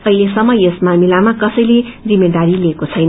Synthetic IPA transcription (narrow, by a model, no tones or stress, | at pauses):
ʌɦilesʌmːʌjesmamilamakʌsʌjlerimeɖaɾileːkot͡sʰʌjnʌ